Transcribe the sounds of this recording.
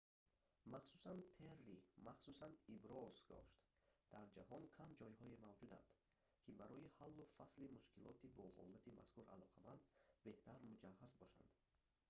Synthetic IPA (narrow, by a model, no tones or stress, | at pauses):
maχsusanpʰerːimaχsusanibɾɔzɡɔ̰ʃt̪d̪̥aɾd͡ʒahɔnkʰamd͡ʒɔjhɔemavd͡ʒud̪a̰nd̪̥ | kʰibaɾɔihalːufaslimuʃkilʔɔ̰t̪ibɔlʁɔ̰lːat̪ʰima̰skuɾa̰lɔqʰamand̪be̞ht̪ʰaɾmud͡ʒahːazbɔʃa̰nd̪̥